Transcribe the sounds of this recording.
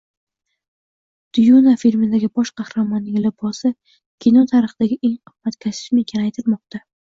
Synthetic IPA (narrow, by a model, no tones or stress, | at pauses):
d̪̥ʊjunafiɾmɪd̪aɡʲɪbɒʃqʰɑhɾamɒnːɪŋʲlɪbɒsɪ | kʲʰinɒt̪ʰaɾɨχɨd̪̥aɡʲɪʔeŋʊbat̪kʲʰasɪ̥ʃmɪŋkʲʰanajt̪ʰɪlmɒq̚t̪ʰa